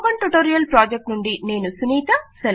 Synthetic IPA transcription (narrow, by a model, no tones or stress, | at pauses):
bɐɳʈuʈoːɾijɐlpɾaːd͡ʒek̚ʈnuɳɖine̞ːnusuniːt̪ɐsɛl